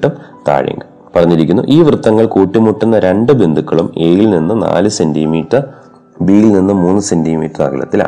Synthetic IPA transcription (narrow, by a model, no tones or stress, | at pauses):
ʈːɐmt̪a̰ːɻḭŋɡɨ | pɐrɐɲːiɾikʲːunːṵʔiːʋrɨt̪ːɐŋːɐɭkuːʈːimːuʈːunːɐɾe̞ɳɖɨbend̪ʱukːɐɭume̞ːjilninːɨna̰ːlɨsendimiːʈːɐr | biːlilninːɨmuːnːɨsendimiːtːɐrɐ̰kɐlɐ̰t̪ːila̰